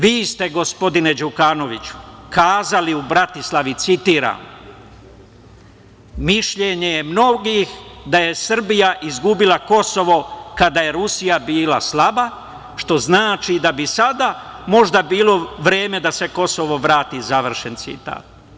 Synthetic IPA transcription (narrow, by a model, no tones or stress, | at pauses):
ʋiːst̪e̞ɡo̞spo̞d̪ine̞d͡ʒukano̞ʋit͡ɕu̥kaːzaliubɾat̪islaʋit̪sit̪iːɾa̰ːm | miʃʎeɲe̞jemno̞ɡixd̪aje̞sr̩bijaʔizɡubilako̞so̞ʋo̞kad̪aːje̞ɾusijabiːlaslaba | ʃt̪o̞znaːt͡ʃid̪abisad̪aː | mo̞ʒd̪abiːlˠo̞ʋɾe̞ːme̞d̪ase̞ko̞soʋo̞ʋɾaːt̪izaʋr̩ʃe̞nt̪sḭt̪a̰ːt̪̚